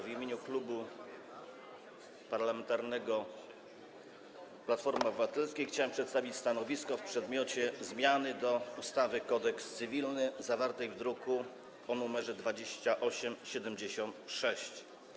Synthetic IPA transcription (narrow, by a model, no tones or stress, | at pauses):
vʲimʲjeɲuklubu | paɾlamɛnt̪aɾnɛɡɔ | plat̪fɔɾmabɘvat̪ɛlskʲejxt͡ɕawɛmpʂɛt̪st̪avʲit͡ɕst̪anɔvʲiskɔfpʂɛd̪mʲɔt͡ɕɛzmʲjanɘd̪ɔust̪avɘkɔd̪ɛkst̪sɘvʲilnɘzavaɾt̪ɛjvd̪ɾuku | ɔnumɛʐɛd̪vad͡ʑeɕt͡ɕaʔɔɕɛmɕɛd̪ɛmd͡ʑeɕɔnt̪ʂɛɕt͡ɕ